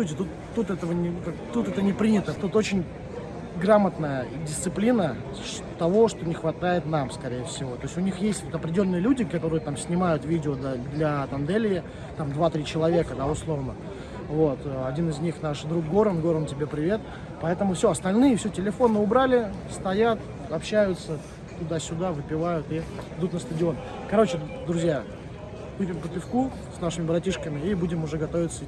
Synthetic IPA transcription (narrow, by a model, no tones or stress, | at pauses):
sutʲɪt̪ut̪ːut̪ɛt̪əvənʲɪkat̪ːut̪ɛt̪ənʲɪpɾʲinʲɪt̪ət̪ut̪ot͡ɕɪnʲ | ɡɾamət̪nəjədʲɪst̪sɨplʲinə | ʂ | t̪ɐvo̞ʂt̪o̞nʲɪxvɐt̪ajɪt̪namskɐɾʲejəfsʲɪvo̞t̪o̞jɪsʲtʲʊnʲixjesʲtʲvot̪ɐpɾʲɪdʲɪlʲonːɨjəlʲudʲɪkɐt̪o̞ɾɨjət̪amsʲnʲɪmajʊt̪vʲidʲɪod̪lʲɐt̪ɐnd̪ɛlʲɪɪ | t̪amd̪vat̪ɾʲit͡ɕɪlˠɐvʲe̞kəd̪aʊslˠo̞vnə | vo̞t̪ːɐdʲinɨzʲnʲixnaʂd̪ɾuk̚ɡo̞ɾənɡo̞ɾəntʲɪbʲe̞pɾʲɪvʲe̞t̪̚ | pɐɛt̪əmʊfsʲoɐst̪ɐlʲnɨjəfsʲɵtʲɪlʲɪfo̞nːəʊbɾalʲɪ | st̪ɐjat̪ | ɐpɕːæjʊt̪sə | t̪ʊd̪asʲʊd̪avɨpʲɪvajʊt̪iɪd̪ut̪nəst̪ədʲɪo̞n | kɐɾo̞t͡ɕɪd̪ɾʊzʲja | upʲɪmpət̪ʲɪfku | snaʂɨmʲɪbɾɐtʲiʂkəmʲɪibudʲɪmʊʐɛɡɐt̪o̞vʲɪt̪sə